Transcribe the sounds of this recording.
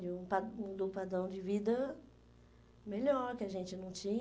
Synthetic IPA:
d͡ʒɪũpaũd̪opad̪ɾɐ̃w̃d͡ʒɪvid̪ɐ | meʎɔɾkɪaʒẽnt͡ʃɪnɐ̃w̃t͡ʃĩɲ

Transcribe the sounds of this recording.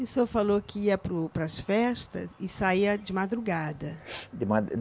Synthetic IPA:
isofalokɪiɐpɾʊpɾɐsfɛʃt̪ɐ̰zɪsaiɐd͡ʒɪmad̪ɾuɡad̪ɐd̪ɪma

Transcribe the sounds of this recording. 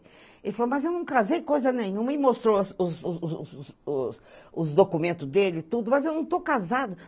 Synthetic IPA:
elɪfalomɐzewnɐ̃w̃kazejkojzɐnẽɲũmɐimost̪ɾoɐsʊzzʊzssʊzd̪okumẽnt̪ʊzd̪elɪt̪ud̪ʊmɐzewnɐ̃w̃t̪owkazad̪ʊ

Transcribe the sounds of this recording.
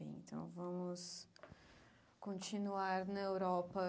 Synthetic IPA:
ḛ̃ḛ̃nt̪ɐ̰̃w̃vɐ̃mʊs | kõnt͡ʃinuaɾnɐewɾɔpɐ

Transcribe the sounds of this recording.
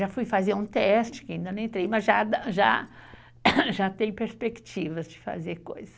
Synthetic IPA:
afujfazeɾũt̪ɛst͡ʃɪ̥kɪaĩnd̪ɐñẽt̪ɾejmɐzʒad̪aʒa̰ | ʒat̪ẽj̃peɾspekt͡ʃivɐzd͡ʒɪfa̰zeɾko̰jzɐs

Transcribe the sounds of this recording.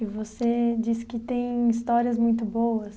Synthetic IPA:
ɪvosed͡ʒiskɪt̪ẽj̃ist̪ɔɾiɐzmũj̃t̪ʊbowɐs

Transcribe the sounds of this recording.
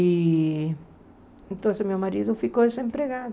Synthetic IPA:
i | ẽnt̪õsɪzmewmaɾiðʊfikowd̪esẽmpɾeɣaðʊ

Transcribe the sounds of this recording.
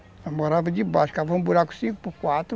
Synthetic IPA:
amɔɾavɐd͡ʒibaʃu̥kavõmbuɾaku̥sĩŋku̥pukwat̪ɾ

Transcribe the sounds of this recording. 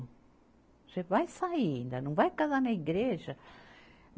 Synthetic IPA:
ʒevajsaĩnd̪ɐnɐ̃w̃vajkazanɐiɡɾeʒɐ

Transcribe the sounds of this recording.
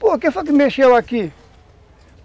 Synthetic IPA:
pok̬efak̬imeʃewaki

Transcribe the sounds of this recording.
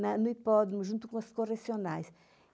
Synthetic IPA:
nɐnuipɔdɾmuʒũnt̪ukõɐskoresionajs

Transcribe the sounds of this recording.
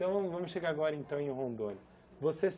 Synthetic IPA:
t̪ɐ̃w̃vɐ̃mʊsʃeɡaɾaɡɔɾɐẽnt̪ɐ̃w̃ẽj̃ʊɦõnd̪õnʊ | voses

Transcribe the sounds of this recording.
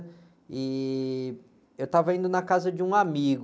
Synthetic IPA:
ɪ | ewt̪avɐĩnd̪ʊnɐkazɐd͡ʒɪũamiɡ

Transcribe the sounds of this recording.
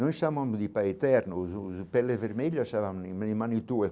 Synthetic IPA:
nojsamamd̪ipajɛt̪ɛɾnupɛlːeveɾmeʎasavamid̪imanit̪ue

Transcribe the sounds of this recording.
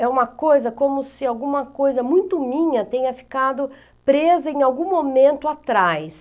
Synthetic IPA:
ɛũmɐkojzɐkõmʊsɪawɡũmɐkojzɐmũj̃t̪ʊmĩɲɐt̪ẽɲɐfi̥kad̪ʊ | pɾezɐẽj̃awɡũmomẽnt̪ʊat̪ɾajs

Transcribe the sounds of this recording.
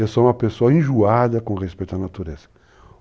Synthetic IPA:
esoũmɐpesoɐẽʒuad̪ɐkõʁespejt̪ʊɐnat̪uɾezɐ

